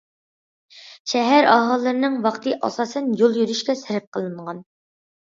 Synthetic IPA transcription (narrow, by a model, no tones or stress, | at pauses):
ʃɛɦæɾɑ̰ɦɑlˠːɨɾɨnɨŋwɑqt̪ʰɨʔɑ̰sɑsɛnjolˠjyɾyʃkʲɛsɪɾɪp̚qʰəlˠɨɴʁɑn